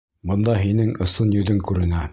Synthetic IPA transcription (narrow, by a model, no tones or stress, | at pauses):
bɤ̆nd̪ɑɦinɘŋɤ̆sɤnjɵ̆ðɘŋkʉɾɘ̆næ